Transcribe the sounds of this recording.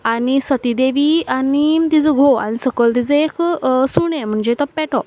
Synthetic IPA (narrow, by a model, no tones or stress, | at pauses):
anisət̪id̪eʋianit̪id͡zəɡʱoa̰ñisəkəlt̪id͡zəeksuɳẽm̤əɳd͡ʑet̪əpːɛʈʰɔ